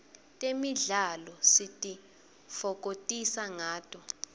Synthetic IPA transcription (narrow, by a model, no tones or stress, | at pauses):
tʼemiɮalɔsitʼi | fɔk̬ʼotʼisaŋaːtʼɔ